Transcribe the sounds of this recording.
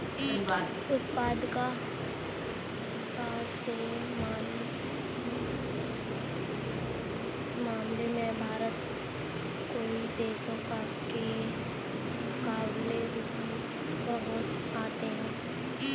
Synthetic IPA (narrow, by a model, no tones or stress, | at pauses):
ʊt̪paːd̪ka | t̪aː | se | maːn | maːmlemɛ̃bʱaːɾət̪ | koːid̪eːsõka | ke | kaːʋle | bəɦʊt̪ | aːt̪eɦɛ̃ː